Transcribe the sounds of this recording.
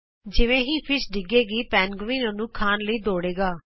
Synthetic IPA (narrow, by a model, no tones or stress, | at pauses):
d͡ʒɪʋẽːɦiːpʰɪsɖɪɡeːɡiːpɛːnɡʊʋĩːnonũːkʰaːnləiːd̪oːɽeːɡaː